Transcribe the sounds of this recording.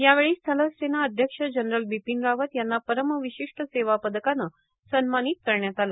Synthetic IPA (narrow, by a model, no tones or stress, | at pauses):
jaʋeɭiːst̪ʰələsenaəd̪ʱjəkʂəd͡ʑənɾəlbipinɾaʋət̪janːapəɾəməʋiɕiʂʈəseʋapəd̪əkanə | sənmaniːt̪̚kəɾɳjat̪ala